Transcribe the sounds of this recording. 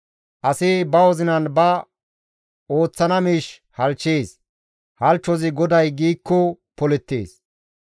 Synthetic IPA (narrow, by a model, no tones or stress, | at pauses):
ʔɐsɪbɐwɔzɪnɐnbɐ | o̞ːt͡sːɐnɐmiːʃ | hɐlt͡ʃːeːs | hɐlt͡ʃːɔzɪɡɔd̪ɐjɡiːkːɔ | pɔlɛt̪ːḛːs